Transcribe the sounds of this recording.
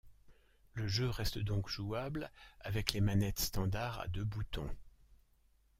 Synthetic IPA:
ləʒøʁɛst̪d̪ɔ̃kʒuablavɛklemanɛt̪st̪ɑ̃d̪aʁa̰d̪øbut̪ɔ̰̃

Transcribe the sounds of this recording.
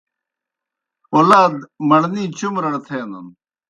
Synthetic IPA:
oːlaːd̪mɐɽniːt͡ɕumɾɐɽt̪ʰeːnɐ̰n

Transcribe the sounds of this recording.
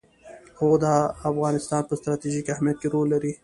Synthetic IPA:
hod̪ɑːfɣɑːnɪst̪ɑːnpəst̪ɾɑt̪iʒikahmijat̪̚keɾolːaɾi

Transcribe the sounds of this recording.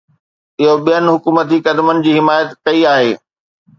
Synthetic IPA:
ɪɦoɓijənɦʊkuːmət̪ikɐd̪mənɪ̆d͡ʑiːɦɪmaːjət̪kɐiaːɦeː

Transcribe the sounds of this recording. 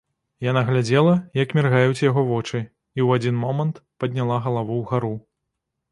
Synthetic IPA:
janaɣlʲad͡zʲɛlˠɐjɐkmʲɛrɣajut͡sʲjaɣɔvɔt͡ʂɨ | iwad͡zʲinmɔmɐnt̪pɐd̪ʲnʲalˠaɣɐlˠavuwɣaɾu

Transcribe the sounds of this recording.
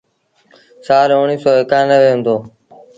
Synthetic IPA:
saːɾoːɳiːsɔːɦɪkãːnəʋeːɦʊ̃nd̪oː

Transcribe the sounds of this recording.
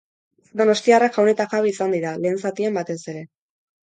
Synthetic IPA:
d̪o̞no̞st̪iarakxawne̞t̪akaβeisand̪iɾale̞ːnsat̪iembat̪e̞se̞ɾe̞

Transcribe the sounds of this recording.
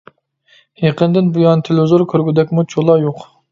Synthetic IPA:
heqənd̪ɪnbujɑnt̪ʰɪlzoɾkʲʰøɾɡʲyd̪ɛkʲmut͡ʃʰolˠɑjoq

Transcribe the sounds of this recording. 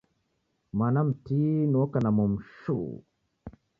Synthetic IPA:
manam̩tinukanamɔm̩ʃṵ

